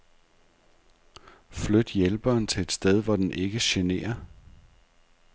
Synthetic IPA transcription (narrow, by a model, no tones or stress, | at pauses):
flød̥jelb̥ɐnt͡sʰe̝ed̥sd̥eð̞ˠʋɒd̥enʔe̝ɡ̥əɕene̝̰ːɐ